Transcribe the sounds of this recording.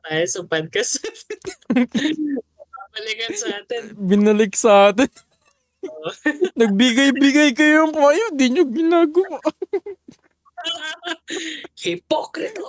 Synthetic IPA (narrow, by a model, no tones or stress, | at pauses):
t̪aːjɐsɐpad̪̚kɐs | ɐbɐlɪkɐnsɐaːt̪ɛnbɪnɐlɪk̚sɐʔaːt̪̬ɛn | nɐɡ̚bɪɡɐjbɪɡɐjkɐjoŋkːɐjond̪iɲoɡɪnaːɡɐwaʔ | hɪpokɾɪt̪o